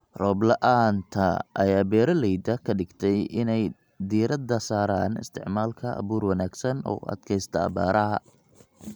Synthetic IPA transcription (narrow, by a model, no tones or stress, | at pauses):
rɔːblɐʔaːnt̪ʰɐʔɐjaːbɛːɾɐlɛjd̪ɐkʰɐɖɪɡt̪ʰɛjɪnɛj | d̪iːɾɐd̪ɐsaːɾaːnɪ̰st̪ʰɪʕmaːlkʰɐʔɐ̰βuːrwɑnaːɡsɐnɔ̰ːɐ̰d̪̥kʰɛjst̪ʰɐɐ̰baːɾʔɐɦɐ